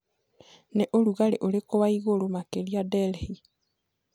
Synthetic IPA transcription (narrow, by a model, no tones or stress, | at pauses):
neʔoluɣaleʔolekoβaiɣolomakeliadɛlhi